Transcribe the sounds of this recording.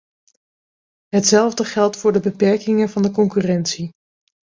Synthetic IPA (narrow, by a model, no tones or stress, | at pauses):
ɦətsɛlˠvdəχɛlˠtfʊːɹdəbəpɛɹkɪŋəvɑndəkɔŋkyːrɛntsi